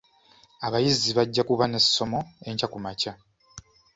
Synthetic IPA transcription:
aβajiziβaɟːakuβane̞sːo̞mo̞e̞ɲcakumaca

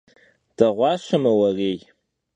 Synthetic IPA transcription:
d̥ɐʁʷɑːɕɐmɐwɐreːj

